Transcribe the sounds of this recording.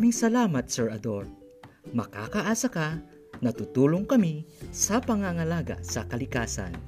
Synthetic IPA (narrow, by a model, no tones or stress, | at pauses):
mɪŋsɐlaːmɐt̪̚sɛɹʔɐd̪oɹ | mɐka̰ːkɐʔaːsɐka | nɐt̪ut̪uːloŋkɐmisɐpɐŋaŋɐlaːɡa̰sɐkɐlɪkaːsa̰n